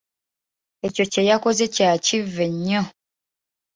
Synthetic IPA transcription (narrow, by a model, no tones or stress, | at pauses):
et͡ʃot͡ʃɛjakozet͡ʃat͡ʃivɛɲɔ